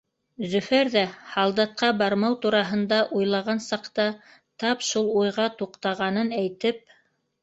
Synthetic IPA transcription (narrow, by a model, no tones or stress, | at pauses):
zɵ̆fæɾðæhɑlˠd̪ɑt̪̚qɑbɑɾmɑwt̪uɾɑɦɤ̆nd̪ɑʔujlˠɑʁɑnsɑqt̪ɑ | t̪ɑpʃulˠujʁɑt̪uqt̪ɑʁɑnɤnæjt̪ɘp̚